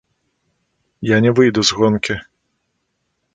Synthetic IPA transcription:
janʲɛvɨjd̪uzɣɔnkʲi

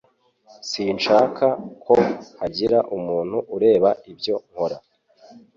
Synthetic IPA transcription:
siːnʃaːkʰakʰo̞haɟiɾaʔumuːn̥huʔuɾe̞ːβaibɟo̞ŋ̥hoɾa

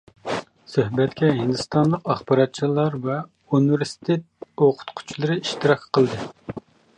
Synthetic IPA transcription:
søɦbɛt̪kʲɛɦind̪ɨst̪ɑnlˠəqɑχbɑɾɑt̪̚t͡ʃʰilˠɑɾvɛ | univeɾsi̥t̪ʰet̪̚oqʰʊ̥t̪qʰʊ̥t͡ʃʰlˠɨɾɨiʃt̪ɨɾɑkʲqʰəlˠd̪ɨ

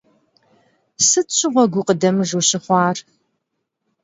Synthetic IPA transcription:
sɨtɕʷʰɪʁʷɔɡʷʊqədɐmɨʒuɕɪχʷɑːr

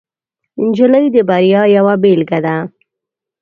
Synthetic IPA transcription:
nd͡ʒələjd̪əbaɾjɑjawabelɡad̪a

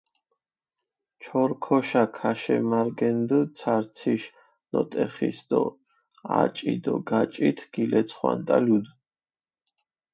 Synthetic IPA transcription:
t͡ʃʰɔɾkʰɔʃakʰaʃɛ̰maɾɡɛnd̪ət̪sʰaɾt̪sʰiʃ | nɔt̪ʼɛχisd̪ɔ | a̰t͡ʃʼid̪ɔɡat͡ʃʼit̪ʰɡ̥ilɛt̪sʰχwa̰nt̪ʼalud̪

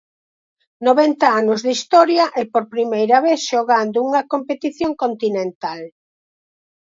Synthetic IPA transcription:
noβɛnt̪aanʊzðist̪ɔɾjɐʔɛpoɾpɾimejɾɐβeθʃoɣand̪ʊuŋɐkompet̪iθjoŋkont̪inẽnt̪al

